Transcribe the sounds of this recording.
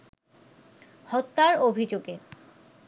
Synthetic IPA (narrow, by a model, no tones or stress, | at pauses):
hɔt̪ːaɾobʱid͡ʑoɡe